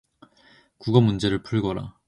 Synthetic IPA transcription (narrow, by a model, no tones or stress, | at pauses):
kuɡʌmund͡ʑe̞ɾɯɭpʰuɭɡʌɾa̰